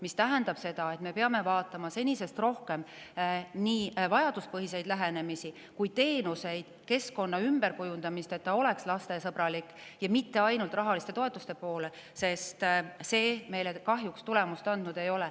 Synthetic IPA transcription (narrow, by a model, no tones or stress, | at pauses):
mist̪æɦænd̪ɑb̥se̞d̪̥ɑe̞t̪ːˑme̞pe̞ɑme̞vɑːt̪ːˑɑmɑse̞nʲise̞st̪ro̞hke̞m | niːvɑjɑd̪uspɤɦise̞jd̪̥læɦe̞ne̞misi | kujt̪e̞ːnuse̞jd̪̥ke̞sko̞nːɑymb̥e̞ɾkujund̪ɑmist̪e̞t̪ːɑo̞le̞kslɑst̪e̞sɤb̥ɾɑlikːˑjɑmit̪ːe̞ɑjnult̪rɑɦɑlist̪et̪o̞e̞t̪ːˑust̪e̞po̞ːle̞ | se̞st̪se̞ːme̞jlekɑɦjukst̪ule̞must̪ɑnd̪̥nud̪̥e̞jo̞le